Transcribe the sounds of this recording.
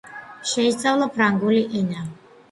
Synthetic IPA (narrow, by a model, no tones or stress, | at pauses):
ʃɛist̪sʼavlˠapʰɾaŋɡuliʔina